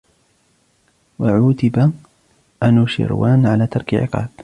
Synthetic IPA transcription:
waʕuːt̪ɪba | ʔanuʃɪ̰ɾwaːnʕalaːt̪ɑɾˤkʕɪ̰qɑ̰ːb̥

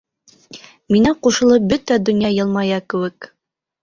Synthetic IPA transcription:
minæquʃɤ̆lˠɤp̚bɵt̪æd̪ɵ̆njɑjɤlˠmɑjɑkɘ̆wɘk

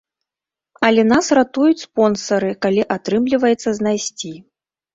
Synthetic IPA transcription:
ɐlʲɛn̪asrat̪ujut͡sʲspɔnsɐɾɨkalʲiʔat̪ɾɨmlʲivɐjɛt̪sːɐznajsʲt͡sʲi

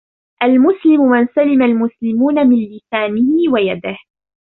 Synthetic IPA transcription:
ʔalmʊslɪmʊmansalɪmalmʊslɪmuːnamɪnlɪsaːnɪhɪwajad̪ɪh

